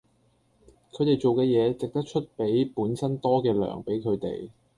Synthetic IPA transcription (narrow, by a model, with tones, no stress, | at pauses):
kʰɵ˨˧ɥt̪e˨jt͡ʃo˨wkɛː˧jɛː˨˧t͡sɪ˨k̚t̪ɐ˥k̚t͡ʃʰɵ˥t̚pe˨˥jpuː˨˥nsɐ˥nt̪ɔː˥kɛː˧lœ̰ː˨˩ŋpe˨˥jkʰɵ˨˧t̪ḛ˨˩j